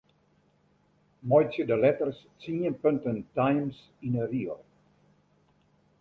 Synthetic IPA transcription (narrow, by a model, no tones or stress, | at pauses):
mɔjtsjədəlɛtərst͡siə̃npœntəntajms | ĩnəɾiə